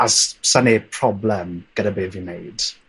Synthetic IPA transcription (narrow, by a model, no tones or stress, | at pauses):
assanepʰr̥ɔblɛmɡ̥ədabeːvinejd̥